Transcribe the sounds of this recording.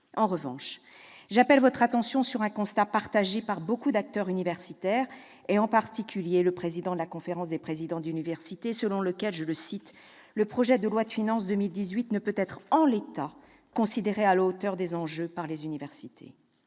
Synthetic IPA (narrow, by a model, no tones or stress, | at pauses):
ɑ̃ʁəvɑ̰̃ʃ | ʒapɛlvɔt̪χat̪ɑ̃sjɔ̃syʁɛ̃kɔ̃st̪apaʁt̪aʒepaʁbokud̪ak̚t̪œʁynivɛʁsit̪ɛʁ | eɑ̃paʁt̪ikʲyljeləpχezid̪ɑ̃d̪əlakɔ̃feʁɑ̃sd̪epχezid̪ɑ̃d̪ynivɛʁsit̪esəlɔ̃ləkʲɛlʒələsit̪ | ləpχɔʒɛd̪əlwad̪əfinɑ̃sd̪əmild̪izɥit̪nəpøt̪ɛt̪χɑ̃let̪a | kɔ̃sid̪eʁealot̪œʁd̪ezɑ̃ʒøpaʁlezynivɛʁsit̪ʰḛ